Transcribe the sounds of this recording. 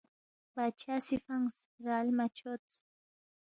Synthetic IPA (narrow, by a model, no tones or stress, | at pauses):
pat͡ʃasɪfaŋs | ɾalmat͡ʃot̪